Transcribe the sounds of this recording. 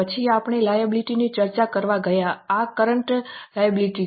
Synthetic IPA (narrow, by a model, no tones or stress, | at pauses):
ət͡ʃʰiapɳ̃elajəbliʈinit͡ʃəɾt͡ʃakəɾʋaɡəjaakəɾəɳʈlajəbiliʈi